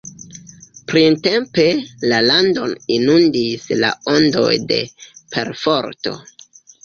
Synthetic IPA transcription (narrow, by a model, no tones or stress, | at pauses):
pɾinte̞mpe̞lalando̞ninundisla̰ondo̞̰jde̞̰pʰe̞̰ɾfo̞ɾto̞̰